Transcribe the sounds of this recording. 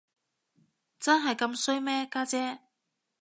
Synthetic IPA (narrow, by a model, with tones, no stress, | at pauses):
t͡sɐ˥nɦɐ˨jkɐ˧msɵ˥ɥmɛː˥kaː˥t͡sɛː˥